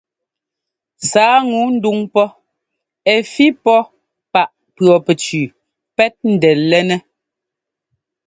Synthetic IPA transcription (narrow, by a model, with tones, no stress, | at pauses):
saː˨˦ŋu˨˦n̩˦du˦ŋpɔ˦ | ɛ˨fi˦pɔ˦ | pa˨ʔ | pɰɔ˨pɛ˨t͡ʃʉː˨ | pɛ˦t̚n̩˦dɛ˨lɛ˦nɛ˦